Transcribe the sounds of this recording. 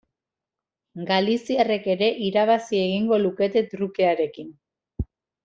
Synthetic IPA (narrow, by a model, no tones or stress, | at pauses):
ɡalisiare̞ke̞ɾe̞ʔiɾaβ̞asie̞ɣ̞iŋɡo̞luke̞t̪e̞t̪ɾukeaɾe̞kin